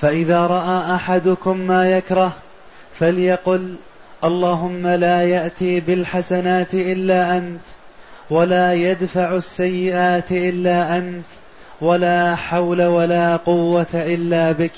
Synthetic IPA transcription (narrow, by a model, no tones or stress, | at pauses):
faʔɪðaːɾˤɑʔaːʔaħad̪ʊkʊmːaːjakɾˤɑh | faljaqʊl | ʔɑlˤːɑːɦʊmːalaːjaʔt̪iːbɪlħasanaːt̪ʔɪlːaːʔant̪ | walaːjad̪faʕsːajːɪʔaːt̪ʔɪlːaːʔant̪ | walaːħawlawalaːqʊwːat̪aʔɪlːaːbɪk